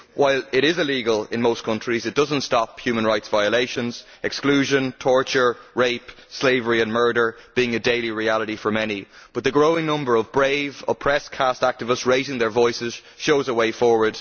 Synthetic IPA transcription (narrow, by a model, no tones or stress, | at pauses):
wʔaɪlɪɾɪzɪliɡəlɪ̰̃nmoʊskʰʌ̃nt͡ʃɹ̥izɨt̚d̥ʌzə̃ntstɑphjʉmə̃nɹaɪtsv̥aɪəleɪʃə̃nz̥ | ɛksklʉʒə̃ntʰɔɹt͡ʃə˞ɹeɪpsleɪvə˞iə̃nmɜ˞ɾə˞b̥iɪ̃ŋədeɪliɹialəɾifə˞mɛnib̥ʌt̪̚ðəɡɹoʊɪ̃ŋnʌ̃mbə˞ʌvbɹeɪvəpʰɹ̥ɛskʰastak̚tɪvəstsɹeɪzɪ̃ŋðə˞vɔɪsɪz̥ | ʃoʊzəweɪfɔːɹwə˞d̥